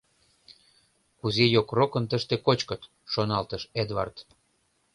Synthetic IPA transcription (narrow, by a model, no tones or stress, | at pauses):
kuzejokrokə̆nt̪əʃt̪ekot͡ɕkət̪ | ʃonɑlt̪əʃed̪vɑ̰rt̪